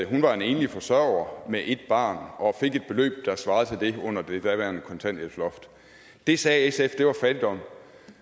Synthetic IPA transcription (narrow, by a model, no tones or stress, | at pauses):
ɦunʋɑ̈ene̝ːnlifɒ̽sɶɐ̰ʊɐmeʔe̝d̥̚b̥ɑ̈ːnʔɒ̽fe̝ɡ̥e̝d̥̚b̥e̝lø̰ːb̥̚d̥ɑ̈sʋɑ̈ːð̩ˠt͡sʰe̝ld̥e̝ɔ̽n̰ɐd̥e̝d̥æʋæɐnkʰɒ̽nt͡sʰæn̰d̥elslɒ̽fd̥ | d̥e̝sɛːesefd̥e̝ʋɑ̈fæd̥id̥ɒ̽m̰